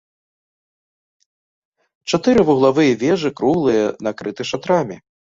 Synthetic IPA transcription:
t͡ʂat̪ɨɾɨvuɣlˠavɨjɐvʲɛʐɨkɾuɣlˠɨjɐnakɾɨt̪ɨʂat̪ɾamʲɛ

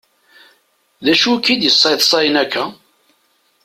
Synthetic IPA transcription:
ðæʃukːid̪jəsˤːɑjθsˤɑjnækʰːæ

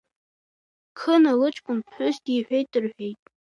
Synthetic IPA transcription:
kʰɨnalɨt͡ʃʼkʷʼʊnpʰħʷᶣʏzdiħʷᶣejt̚ʼdɨrħᶣejtʼ

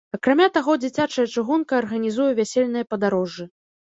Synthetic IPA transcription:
ɐkɾamʲat̪aɣɔd͡zʲit͡sʲat͡ʂɐjɐt͡ʂɨɣunkɐːrɣɐnʲizujɛvʲæsʲelʲnɨjɐpɐd̪aɾɔʐːɨ

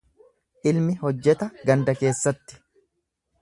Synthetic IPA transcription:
ʔɪlmɪhɔd͡ʒːɛt̪ɐɡɐnd̪ɐke̞ːsːɐt̪ːɪ̥

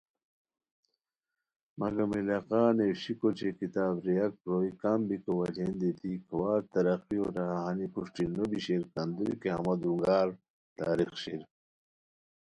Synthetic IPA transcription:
mɐɡɐmilaːqaːnewɕikot͡ɕʰekit̪aːbɾijɐk̚pɾoːikambikowɐlend̪et̪iːkʰɐwaːɾt̪ɐɾɐqio̰ɾɐɦaɦanipuʂʈinobiɕeɾkɐnd̪uḭkeɦɐ̰mɐd̪ɾuŋɡaːɾ | t̪a̰ːɾixɕiɾ

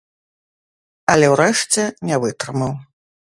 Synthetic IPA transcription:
ɐlʲɛwɾɛʂt͡sʲɛnʲavɨt̪ɾɨmɐw

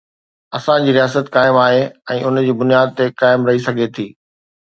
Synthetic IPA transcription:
ɐsãd͡ʑiːɾijaːsət̪kaːɪmaːɦeɛ̃ːʔʊnd͡ʑiːbʊnijaːd̪̚t̪ekaːɪmɾɐɦisɐɡʱet̪ʰiː

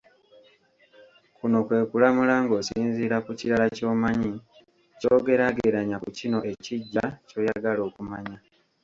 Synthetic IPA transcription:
kuno̞kwe̞ːkulamulaŋɡo̞ːsiːnziːɾakuciɾalaco̞ːmaɲi | coːɡe̞ɾaɡe̞ɾaɲakucino̞e̞ciɟːaco̞ːjaɡalo̞ːkumaɲa

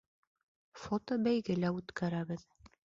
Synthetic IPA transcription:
fot̪obæjɡɘlæʉt̪kæɾæβɘð

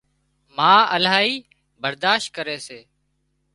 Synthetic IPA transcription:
mãːəlaːiː | bəɾd̪aːʃt̪̚kəɾeːseː

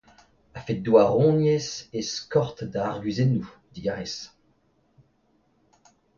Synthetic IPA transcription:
afet̚d̪waʁɔ̃njeseskɔʁt̪d̪aːʁɡɥizenːud̪iɡaʁes

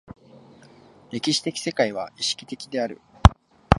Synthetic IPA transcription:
ɾe̞kʲiɕi̥t̪e̞kʲi̥se̞kaiβ̞aiɕi̥kʲi̥t̪e̞kʲid̪e̞aɾɯ̟̰

